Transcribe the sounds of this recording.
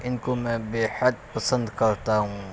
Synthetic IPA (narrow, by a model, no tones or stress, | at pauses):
ɪnkomɛ̃ːbeːhəd̪̚pɐsə̃nd̪kɐɾt̪aɦũː